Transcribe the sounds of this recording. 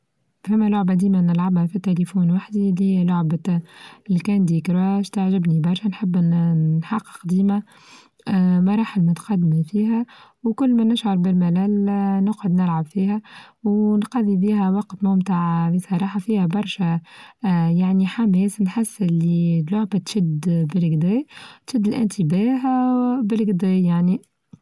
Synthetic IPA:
fæmːælʊʕbʔd̪iːmænɪlʕabhæfit̪ːelifuːnwaħd̪ililʊʕb̪ | lkæːnd̪iːkɾwæʃt̪aʕʒɪbnibɑɾˤʃænħɪbːnħɑqːɪ̥qd̪iːmæ | mɑɾˤɑːħɪlmʊt̪qɑd̪ːmifiːɦæwkʊlːmænɪʃʕɑɾˤbɪlmælæːlnʊqʕʊd̪nɪlʕabfiːɦæwnqɑðˤibiːɦæwɑqt̪mʊmt̪aʕbisˤɑɾˤɑːħɑfiːhæbɑɾˤʃæ | jaʕniħamɛːsnħɪsːɪlːit̪lʊʕbæt̪ʃɪd̪bɪlɡd̪æːt̪ʃɪd̪ːɪlʔɪ̰nt̪ɪbæːɦbɪlɡd̪æːjaʕni

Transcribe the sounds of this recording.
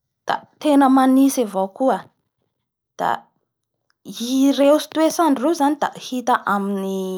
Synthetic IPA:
d̪̥a̰t̪enəmanisivokuə | d̪̥a̰ | irewsi̥t̪wesanrewzanid̪̥a̰hit̪əʔamini

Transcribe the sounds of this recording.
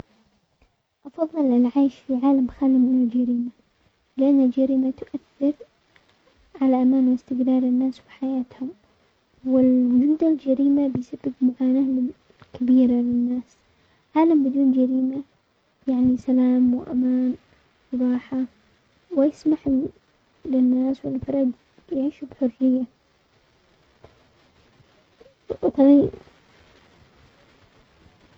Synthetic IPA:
ʔɑfɑðˤːɨlɪlʕaːʃfiʕaːlamxaːlimɪnald͡ʒaɾiːma | lɪʔanːɪld͡ʒaɾiːmat̪ʊʔaθːɪɾ | ʕalaʔamaːnwɪst̪ɪɡɾɑːɾˤɪnːaːswiħajaːt̪hʊm | wɪld͡ʒuːd̪ald͡ʒaɾiːmabɪjsabːɪbmaʕaːnaːlɪ | kabiːɾalɪnːaːs | ʕaːlambɪd̪uːnd͡ʒaɾiːma | jaʕnisalaːmwɪʔa̰maːn | ɾˤɑːħa | wɪjɪsmaħ | lɪnːaːswɪlfɑɾˤɑd̪ | jʕiːʃubħʊrːɪjːa | t̪ˤɑi

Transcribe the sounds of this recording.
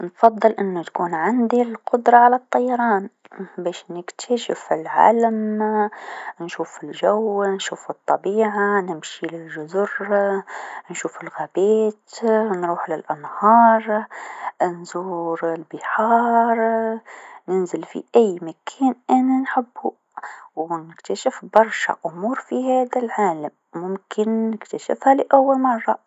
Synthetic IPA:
nfɑðˤːɨlʔɪnːʊt̪akuːnʕɪnd̪ilqʊd̪ɾˤɑʕalat̪ˤːɑjːɑɾˤɑːn | beːʃnɪkt̪ʰaʃɪfɪlʕa̰ːlam | nʃuːfɪlʒawnʃuːfɨt̪ˤːɑbiːʕanɪmʃilɪlʒʊzʊɾ | nʃuːfɪlɣabeːt̪nɾuːħlɪlʔanhɑːɾˤ | nzuːɾɪlbɪħɑːɾˤ | nɪnzɪlfḭʔajːmakʰeːnʔananħɪbːu | wnɪkt̪aʃɪfbɑɾˤʃa̰ʔʊmuːɾfiɦaːd̪alʕaːlamːʊmkʰɪnːɪkt̪aʃɪ̰fhalɪʔawːalmɑrˤːɑ

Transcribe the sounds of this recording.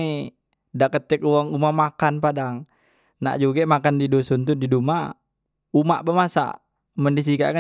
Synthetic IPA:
i | dakət̪ɛk̚uwaŋumamakanpadaŋ | na̰ʔd͡ʒuɡɛmakandidosɔnt̪̬udiduma | umaʔpamasa̰ | məndis̬ika̰ʔka

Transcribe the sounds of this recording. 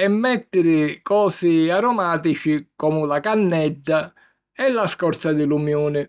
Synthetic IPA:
ɛmːɛt̪ːɪɾɪkɔːsɪaɾɔmaːt̪it͡ʃikɔːmʊlakanːɛd̪ːa | ɛlːaskɔɾt̪sad̪ɪlumjoːnɪ

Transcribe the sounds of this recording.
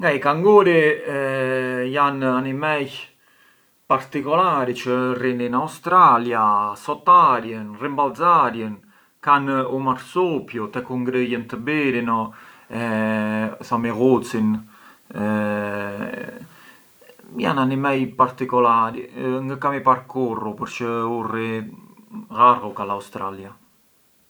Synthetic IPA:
ŋɡajkaŋɡuɾi | jananimɛj | paɾt̪ikɔlaɾit͡ʃərendinawst̪ɾaljasɔt̪aɾjənrimbalzaɾjən | kanumaɾsopjut̪ɛkuŋɡɾəjənt̪əbeɾinɔɛ | sameɣot̪sin | mja̰nanimɛjpaɾt̪ikɔlaːɾḭŋɡəkamipaɾkorːupuɾt͡ʃəure | ɣarukalawst̪ɾalja

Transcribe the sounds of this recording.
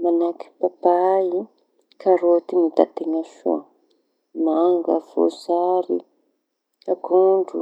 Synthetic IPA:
manaki̥babai | kʰaɾot̪init̪at̪eŋafṵ | maŋɡafo̰zaɾi | aɡuɳɖ͡ʐu

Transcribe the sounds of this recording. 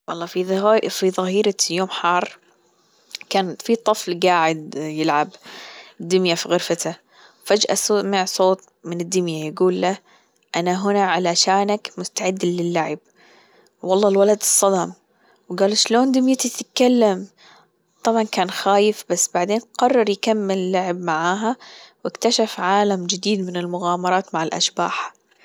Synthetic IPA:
wɑlˤːɑːfifiðˤɑhiːɾajoːmħɑːrˤ | kaːnfit̪ˤɨflɡaːʕɪd̪jɪlʕabd̪ːɪmjafiɣʊɾfat̪ʰa | wfad͡ʒʔa̰soːmaʕsˤoːt̪̚ˤ | mɪnɪd̪ːɪmjajaɡuːlːa | ʔanaɦʊnaʕalaʃaːnakmʊst̪aʕɪd̪ːalɪlːaʕɪb̚ | wɑlˤːɑːlwalad̪ɨsˤːɑd̪ɑm | wɡaːlʃloːnd̪ɪmjat̪it̪t̪kalːam | t̪ˤɑbʕɑnkaːnxaːjɪfbasːbaʕd̪eːnqɑrˤːɑɾˤjkamːɪlɪlːaʕɪbmaʕaːɦawɪkt̪aʃafʕaːlamd͡ʒɪd̪iːd̪mɪnɪlmʊɣaːmɑɾˤɑːt̪maʕɪlʔa̰ʃba̰ːħḁ

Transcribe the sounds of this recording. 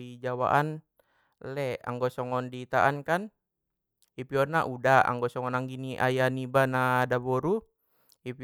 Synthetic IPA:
id͡ʒawa̰ʔan | lɛa̰ŋɡɔsɔŋɔndit̪aʔankan | ipiɔrnaʔudaa̰ŋɡɔsɔŋɔnaŋɡiniʔajanibanadabɔɾu | ip

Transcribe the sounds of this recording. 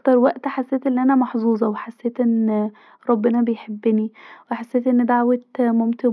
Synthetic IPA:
t̪ɑɾˤwæʔt̪ħasːeːt̪ʔenːiʔænæmɑħzˤuːzˤɑweħasːeːt̪ʔenː | ɾˤɑbːenɑbejħebːɪniweħasːeːt̪ʔenːed̪aʕwæt̪momt̪e

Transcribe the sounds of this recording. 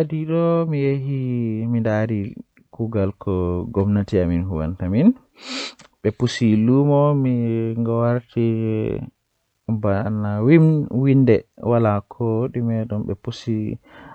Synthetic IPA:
diɗɔmijeɦimindaɾi | kuɡalkʰɔɡɔmnatiaminɦuwa̰ntamin | ɓɛpusilumɔmiŋɡawaɾtʰi | banawimwindɛwalakʰoɗimɛɗumɓɛ̰pusi

